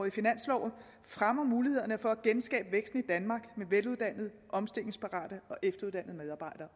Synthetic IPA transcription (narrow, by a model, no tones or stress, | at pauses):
ifinæn̰slɒ̰ʊ̰ | fʁamɐmuːlihe̝ð̞̰ˠɐnəfɒ̽æɡ̥ensɡ̥ɛ̰ːb̥əʋeɡ̥sd̥n̩id̥ænmɑ̈ːɡ̥meʋeluðˠd̥æn̰ðˠ | ʔɒ̽msd̥e̝l̰eŋspʰɑ̈ʁɑ̰̈ːd̥əɒ̽ʔefd̥ɐuðˠd̥æn̰ð̞̩ˠmeðˠɑ̈ːb̥ɑ̈ɪ̰d̥ɐː